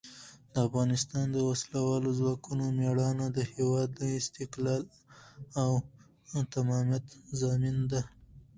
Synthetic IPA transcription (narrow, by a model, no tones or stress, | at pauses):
d̪̥əafɣɑnɪst̪ɑnd̪əwaslawɑlozwɑkunomeɽɑnad̪əhewɑd̪ləɪst̪ɪklɑl | aw | t̪amɑmjat̪zɑmind̪a